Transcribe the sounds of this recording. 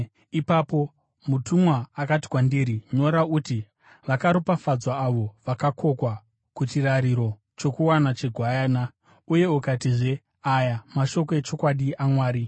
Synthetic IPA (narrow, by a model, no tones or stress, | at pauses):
ipapo̞ | mutumwaːkati̥kwandiɾiɲo̞ɾauti | ʋakaɾopafad͡zwaːʋo̞ʋakako̞kwa | kutiraɾiɾo̞ | t͡ʃo̞kuwanat͡ʃeɡʱwajaːna | uje̞ukatiʐe | ajamaʃo̞ko̞et͡ʃo̞kwaɗiamwaːɾi